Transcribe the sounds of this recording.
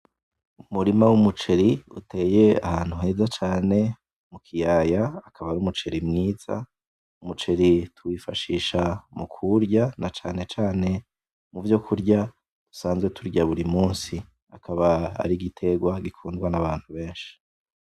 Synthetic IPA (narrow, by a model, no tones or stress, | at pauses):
umuɾimawumut͡ʃe̞ɾiṵtʰe̞ːjea̰haːn̥huɦe̞ːzat͡ʃaːne̞ | mukʰijajaːkʰaβaɾumut͡ʃe̞ɾimŋiːz̥a̰ | umut͡ʃe̞ɾitʰuwifaʃiːʃamukʰuɾɟanat͡ʃaːne̞t͡ʃaːne̞ | muvjo̞kʰuɾɟa | d̥u̥saːnzɡwe̞tʰuɾɟaβuɾimuːnsi | akʰaβaa̰ɾiɡitʰe̞ɡwaɡikʰuːndɡwanaβaːn̥huβe̞ːnʃi̥